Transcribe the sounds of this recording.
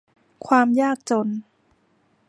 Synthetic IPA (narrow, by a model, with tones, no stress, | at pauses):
kʰwaː˧mjaː˥˩k̚t͡ɕo˧n